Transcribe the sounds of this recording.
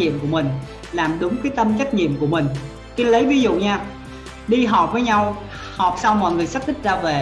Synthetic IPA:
ɲḭ˧˨əmku˧˩əmï˨˩ŋ̟ | laː˨˩mɗʊ˨˦ŋ͡mkəː˨˦jt̪ə˧mt͡ɕa˦˥k̚ɲḭ˧˨əmku˧˩əmï˨˩ŋ̟ | ki˧˦lə˨˦jvi˨˦zṵ˧˨ɲaː˧ | ɗi˧ɦɔ˨˩p̚vəː˨˦jɲa˧w | hɔ˨˩p̚sa˧wmɔ̰˧˨jŋɨ˨˩əjsa˦˥p̚t̪ï˦˥k̚zaː˧ve˨˩

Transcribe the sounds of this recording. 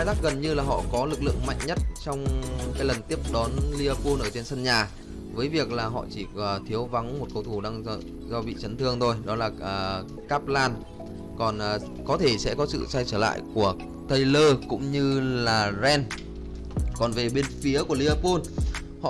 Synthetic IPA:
a˧jzaː˦˥k̚ɣə˨˩nɲɨ˧laː˨˩ɦɔ̰˧˨kɔ˨˦lɨ˨˩k̚lɨ̰˧˨əŋma̰˧˨jŋ̟ɲə˦˥t̚t͡ɕɔ˧wŋ͡mkaː˨˦jlə˨˩nt̪i˦˥əp̚ɗɔ˨˦nli˧ə˧po˧nʔəː˧˩t͡ɕe˧nsə˧nɲaː˨˩ | vəː˨˦jvi˨˩ək̚laː˨˩ɦɔ̰˧˨t͡ɕi˧˩ə˨˩t̪ʰi˨˦əwva˨˦ŋm˨˩t̚kə˧wt̪ʰu˧˩ɗaː˧ŋ˧ | zɔ˧vḭ˧˨t͡ɕə˨˦nt̪ʰɨ˧əŋt̪ʰo˧jɗɔ˨˦laː˨˩ə˨˩ | kaː˦˥p̚laː˧n | kɔ˨˩nʔː | kɔ˨˦t̪ʰe˧˩sɛ̰˧˥kɔ˨˦sɨ̰˧˨sa˧jt͡ɕəː˧˩la̰ː˧˨jku˧˩ə | t̪ə˧jləː˧kʊ̰˧˥ŋ͡mɲɨ˧laː˨˩zɛ˧n | kɔ˨˩nve˨˩ɓe˧nfi˨˦əku˧˩əli˧aː˧po˧n | hɔ̰˧

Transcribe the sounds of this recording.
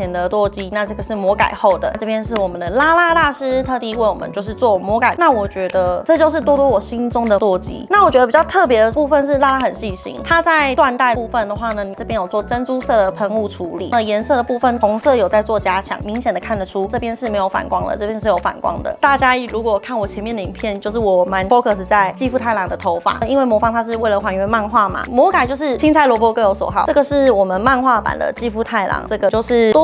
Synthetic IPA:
ɛ˨˩nd̪ə˨t̪wɔ˥˩t͡ɕi˥na˥˧ʈ͡ʂɤ˥˩ɡə˩ʂɻ̩˥˩mwɔ˧˥ka̰˨˩ɪxo˥˩ʊd̪ə̰˩˥˧ʈ͡ʂɤ˥˩pʰjɛ˥nʂɻ̩˥˩wɔ˨˩mə˦nd̪ə˩la˥la˥t̪a˥˩ʂɻ̩˥t̪ʰɤ˥˧t̪i˥˧˥we˥˩ɪwɔ˨˩ə̰˦t͡ɕo˥˧ʊʂɻ̩˥˧t͡swɔ˥˩mwɔ˧˥ka˨˩ɪna˥˩wɔ˨˩t͡ɕɥɛ˧˥d̪ə˧ʈ͡ʂɤ˥˧t͡ɕjo˥˧ʊʂɻ̩˥˩t̪wɔ˥t̪wɔ˥wɔ˨˩ɕi˥nʈ͡ʂʊ˥ŋd̪ə˨t̪wɔ˥˩t͡ɕḭ˥na˥˩wt͡ɕɥɛ˧˥d̪ə˧pi˨˩t͡ɕjʊt̪ʰɤ˥˩p̬jɛ˧˥d̪ə˨pu˥˩fə˥˧nʂ̬ɻ̩˥˩la˥la˥xə˨˩nɕi˥˩ɕḭ˥nt̪ʰa˥t͡sa˥˧ɪt̪wa˥˧nt̪a˥˩ɪu˥˧˩fə˥˩nd̪ə˩xwa˥˩nə˩ni˨˩ʈ͡ʂɤ˥pjɛ˥njo˨˩ʊt͡swɔ˥˩ʈ͡ʂə˥nʈ͡ʂu˥sɤ˥˩d̪ə˩pʰə˧˥ŋu˥˩ʈ͡ʂʰu˧˥lḭ˨˩ə˨˩jɛ˧˥nsɤ˥˩də˩pu˥˧fə˥˩ntʊ˧˥ŋsɤ˥˨˩jo˨˩ʊt͡sa˥˧ɪt͡swɔ˥˩t͡ɕja˥t͡ɕʰjɑ̰˨˩ŋmi˧˥ŋɕjɛ˨˩nd̪ə˩kʰa˥˩nd̪ə˩ʈ͡ʂʰu˥ʈ͡ʂɤ˥˩pʰjɛ˥nʂɻ̩˥˩me˧˥ɪjo˧˥ʊfa̰˨˩nkwɑ˥ŋd̪ə̰˨ʈ͡ʂɤ˥˩pʰjɛ˥nʂɻ̩˥˩jo˧˥ʊfa̰˨˩nkwɑ̰˥ŋd̪ə̰˨˦t̪a˥˩t͡ɕja˥i˨˥˩ɻu˧˥kwɔ˧˩˨kʰa˥˩nwɔ˨˩t͡ɕʰjɛ˧˥nmjɛ˥˩nd̪ə˨i˨˩pʰjɛ˥˧nt͡ɕjo˥˧ʊʂ̬ɻ̩˥˩wɔ˨˩ma˧˥˦npɔ˥kʰɤ˥˩ʂ̬̩˧˩t͡sa˥˩ɪt͡ɕi˥˧fu˥˩a˥˩ɪlɑ˨˥ŋd̪ə˧t̪ʰo˧˥ʊfa̰˨˩i˧˥nwe˥˩mwɔ˧˥fɑ˥ŋt̪ʰa˥ʂɻ̩˥˧we˥˩ɪlə˩xwa˨˩nɥɛ˧˥nma˥˧nxwa˥˩ma̰˩mwɔ˧˥ka˨˩ɪt͡ɕo˥˧ʊʂɻ̩˥˩t͡ɕʰi˥nt͡sʰa˥ɪlwɔ˧˥pwɔ˥kɤ˥jo˧˥ʊswɔ̰˨˩xɑ˨˩˦ʈ͡ʂɤ˥˩ɡə˩ʂɻ̩˥˩wɔ˨˩mə˦nma˥˧nxwa˥˩pa̰˨˩nd̪ə̰˦t͡ɕi˥˧fu˥˧t̪ʰa˥˩ɪlʔɑ̰˧˥ŋʈ͡ʂɤ˥˩ɡə˩t͡ɕjo˥˧ʊʂɻ̩˥˩t̪ɔ˥

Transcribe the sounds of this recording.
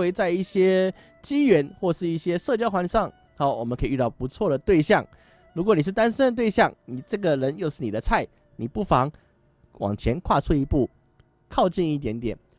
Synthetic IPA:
we˧˥ɪt͡sa˥˧ɪi˥˩ɕjɛ˥ | t͡ɕi˥ɥɛ˧˥nxwɔ˥˩ʂɻ̩˥˧i˥˩ɕjɛ˥ʂɤ˥˧t͡ɕjɑ˥ʊxwa˧˥nʂɑ˥˩ŋ | a˧˥wɔ˨˩mə˦kʰi˨y˧t̪ɑ˥˩ʊpu˧˦˥t͡sʰwɔ˥˩ɾə˩t̪we˥˧ɪɕjɑ˥˩ŋ | ɻu˧˥kwɔ˨˦ni˨˩ʂ̬ɻ̩˥˩t̪a˥nʂə˥nd̪ə˨t̪̬we˥˧ɪɕjɑ˥˩ŋni˨˩ʈ͡ʂɤ˥˩ɡə˨ɻə˧˦njo˥˧ʊʂɻ̩˥˩ni˨˩d̪ə˦t͡sʰa˥˩ɪ | ni˨˩pu˥˩fɑ˧˦ŋ | wɑ̰˨˩ŋt͡ɕʰjɛ˧˦˥nkʰwa˥˧t͡sʰu˥˧i˧˥pu˥˩ | kʰɑ˥˧ʊt͡ɕi˥˧ni˥˩t̪jɛ˧˥nt̪jɛ˨˩˦n

